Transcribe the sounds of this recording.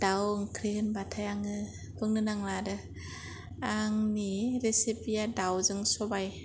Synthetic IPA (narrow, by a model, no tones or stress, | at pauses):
d̥awŋkʰɾihɯnbatʰajaŋɯ | pʰɯŋnɯnaŋladɯ | aŋniɾesipijadawzɯŋsɔbaj